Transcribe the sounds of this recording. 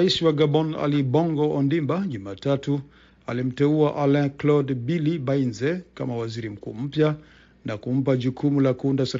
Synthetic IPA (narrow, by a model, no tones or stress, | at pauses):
isiwaɡabɔna̰libɔŋɡɔɔndimbaʄumatatu | a̰lim̩tɛuaʔalɛ̃klɔdbilibainzɛkamawaziɾim̩kṵːm̩pja | nakum̩paʄukumulakundasaɾ